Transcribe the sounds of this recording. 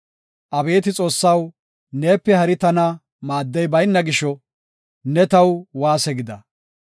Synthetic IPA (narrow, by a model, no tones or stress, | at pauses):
ʔɐbe̞ːt̪̬ɪt͡sʼo̞ːsːɐw | ne̞ːpːɛhɐɾɪt̪ɐnɐ | maːd̪ːɛjbɐjnːɐɡɪʃɔ | nɛt̪ɐwwaːsɛɡɪd̪ɐ